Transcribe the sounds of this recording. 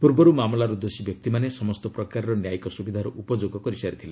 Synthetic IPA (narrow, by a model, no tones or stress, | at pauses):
puɾbɔɾumamlaɾud̪osibjɔk̚t̪imanesɔmɔst̪ɔpɾɔkaɾɔɾɔnjajkɔsubid̪ʱaɾɔʔupɔd͡ʒoɡɔkɔɾisaɾit̪ʰile